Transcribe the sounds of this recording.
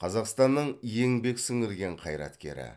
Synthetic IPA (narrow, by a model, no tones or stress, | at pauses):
qʰɑzɑqst̪ɑnːəɴje̞ŋbe̞ksɪŋɪɾɡʲe̞ɴqʰɑjɾɑ̰t̪kʲe̞̰ɾɪ̰